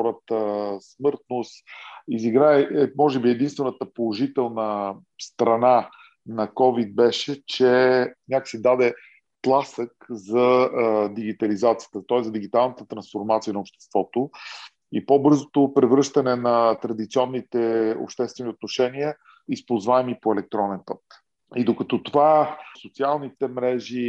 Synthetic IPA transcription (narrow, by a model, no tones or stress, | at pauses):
ɔɾət̪əsmɤɾt̪nosiziɡɾaɛɛmɔʒɛbiɛd̪inst̪vɛnət̪əpolˠoʒit̪ɛlˠnə | st̪ɾɐna | nɐkɔvid̪̚bɛʃɛt͡ʃɛnʲaksid̪ad̪ɛ | k̪lˠasəkzɐd̪iɡ̟it̪ɐlizat̪sijət̪ət̪ɔɛzəd̪iɡit̪alˠnət̪ət̪ɾɐnsfoɾmat̪siənəopʃt̪ɛ̥st̪v̥ɔt̪o | ipobɤɾzot̪opɾɛvɾɤʃt̪ənɛnɐt̪ɾɐd̪it̪siɔnːit̪ɛo̰pʃt̪ɛst̪vɛniot̪noʃɛniə | ispolˠzvaɛmipoɛlɛk̚t̪ɾɔnɛnpɤt̪̚ | id̪okɐt̪ɔt̪ovasot̪sialˠnit̪ɛmɾɛʒi